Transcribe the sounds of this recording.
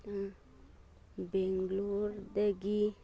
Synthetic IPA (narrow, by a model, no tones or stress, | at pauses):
beŋɡluɾd̪eɡi